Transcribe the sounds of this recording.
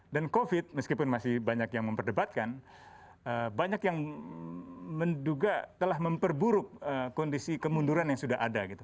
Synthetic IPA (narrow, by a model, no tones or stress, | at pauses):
dankofɪt̪̚məskipʊnmasɪhbaɲakjaŋməmpərdəbat̪̚kan | əbaɲakjaŋ | mənduɡat̪əlahməmpərbuɾʊk̚əkɔndisikəmunduɾanjaŋsudaɦadaɡit̪u